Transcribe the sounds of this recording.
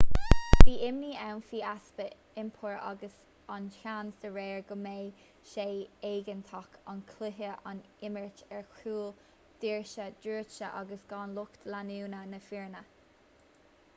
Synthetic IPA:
viːʔɪmniːɛwnfiːasbə | ɪmpʰʊɹɑ̰ɡəs | ɑnʃansd̪əɹɛːɹɡəmeː | ʃeːeːɡənt̪ʰɑkʰɑnkʰlɪɦəʔɑn | ɪməɹtɛɹkʰuːl | d̪̥iːɹʃəd̪ɹuːʃəʔɑ̰ɡəsɡ̥ɑːnlʊkt̪lanuːnənəfiɹnə

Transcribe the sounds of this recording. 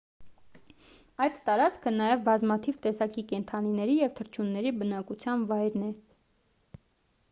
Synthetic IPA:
ɑjt̪t̪ɑɾɑt͡skʰənɑjɛvbɑzmɑt̪ʰivt̪ɛsɑkikɛnt̪ʰɑninɛɾijɛvt̪ʰəɾt͡ʃʰunːɛɾibənɑkut͡sʰjɑnvɑjɾnɛ

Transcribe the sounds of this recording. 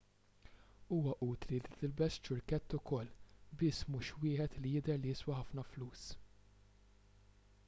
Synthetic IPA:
uːwɐʔuːt̪lilit̪ɪlbɛst͡ʃːʊɾkɛt̪ːʊkɔlːbɪːsːmuːʃwɪːħɛt̪lijɪd̪ɛɾlijɪswɐħɐfnɐfluːs

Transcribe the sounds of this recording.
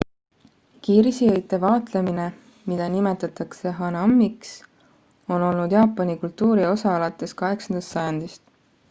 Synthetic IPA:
kiːɾisiejt̪ːˑevɑːt̪le̞mine̞ | mid̪̥ɑnime̞t̪ːˑɑt̪ɑkse̞ɦɑnɑmːiks | o̞no̞lnud̪̥jɑːpːˑɑnikult̪ːuːɾio̞sɑɑlɑt̪ːˑe̞skɑɦe̞ksɑnd̪̥ɑst̪sɑjɑnd̪̥ist̪

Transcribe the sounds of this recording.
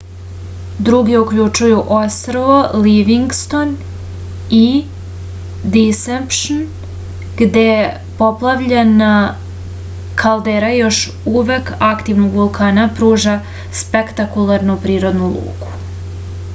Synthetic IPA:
d̪ɾuɡiukʎut͡ʃujuʔost̪ɾoʋoliʋiŋɡst̪on | i | d̪isempʃn | ɡ̥d̪e | po̞plˠaʋʎena | kʰalˠd̪eɾajo̞ʃ | uʋekakt̪iʋnoɡʋulˠkʰaːnapɾuːʒa | spekt̪akulˠaɾnupɾiːɾo̞d̪nulˠṵːku̥

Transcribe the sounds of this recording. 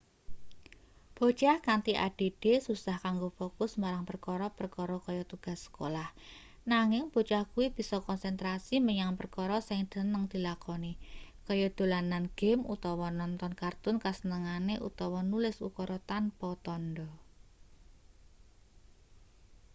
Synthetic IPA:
b̥o̤t͡ʃahkant̪iʔa̰ɖ̥e̤ɖ̥e̤susahkaŋɡofokʊsmaɾaŋpərkɔɾɔpərkɔɾɔkɔjɔt̪uɡ̥a̤sːə̥ko̰lah | naŋɪŋb̥o̤t͡ʃahkuwib̥i̤sɔkɔnsɛnt̪ɾasiməɲaŋpərkɔɾɔsɪŋd̪̥ə̤nəŋd̪̥i̤lakɔnikɔjɔd̪̥o̤lananɡ̥ɛ̤mṵt̪ɔwɔnɔnt̪ɔnkart̪ʊnkasənəŋaneʔṵt̪ɔwɔnulɪsṵkɔɾɔt̪anpɔt̪ɔndɔ

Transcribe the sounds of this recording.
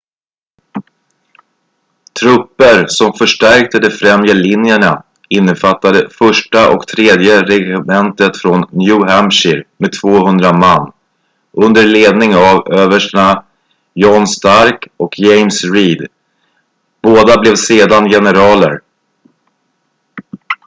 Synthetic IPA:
t̪ʰɾɵpːəɾsɔmfœʂʈæɾk̚t̪əd̪ɛfɾɛmjəlɪnjəɳa | ɪnːəfat̪ːad̪əfœʂʈaʔɔ̰kt̪ʰɾeːd̪jəɾɛxɪmɛnt̪ət̪fɾɔnːjʉɦæmʂɪɾmed̪̚t̪ʰvoːɦɵnd̪ɾamanː | ʔɵnd̪əɾɭeːd̪nɪŋavøːvəʂɳa | jɔnst̪aɾkɔkʰjɛjmsɾiːd̪ | b̥oːd̪ablɛvseːd̪anjɛnəɾɑːlə̰ɾ

